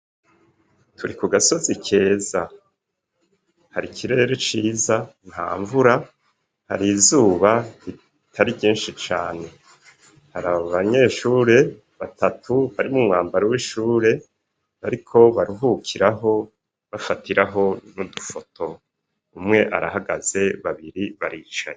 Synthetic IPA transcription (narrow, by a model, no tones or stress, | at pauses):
tʰuɾikuɡaso̞zikʰe̞ːza | haɾikʰiɾe̞ɾot͡ʃiːzanha̰ːɱvuɾa | ha̰ɾizuːβai | tʰaɾibɟiːnʃit͡ʃaːne̞ | haɾaβaβaɲe̞ːʃuːɾe̞ | βatatʰuβaɾimumŋaːmbaɾowiʃuːɾe̞ | βaɾikʰo̞βaɾuɦukʰiɾaɦo̞ | βafatiɾaɦo̞nudufo̞tʰo̞ | umŋe̞ʔa̰ɾa̰ɦaɡa̰z̥e̞βaβiɾiβaɾiːt͡ʃa̰ɲe